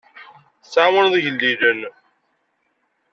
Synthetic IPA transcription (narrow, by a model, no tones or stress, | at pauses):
saməɾðʝəlːiðən